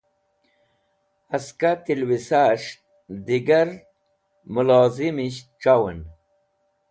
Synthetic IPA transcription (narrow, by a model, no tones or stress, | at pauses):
ɐskat̪ilwisaːʂ | d̪iɡɐɾ | mulaːzimiɕʈ͡ʂawen